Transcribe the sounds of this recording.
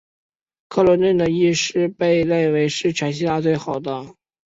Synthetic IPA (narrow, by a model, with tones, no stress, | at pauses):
kʰɤ˥˩lwə˧˥nt̪ə˥˩nd̪ə˩i˥˩ʂɻ̩˥˧pe˥˧ɪle˥˩ɪwe˧˥ɪʂɻ̩˥˩t͡ɕʰɥɛ˧˥nɕ̬i˥la˥˧t͡swe˥˩ɪxɑ˨˩ʊd̪ə˦